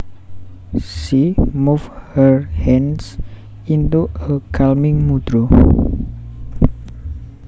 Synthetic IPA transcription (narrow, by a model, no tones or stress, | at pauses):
ʃimufhəɹhɛns | int̪uəkʰalmɪŋmud̪̥ɾo